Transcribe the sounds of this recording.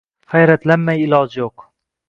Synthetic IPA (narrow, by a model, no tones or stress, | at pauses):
χæjɾæt̪læmːæjɪlɑːd͡ʒjoq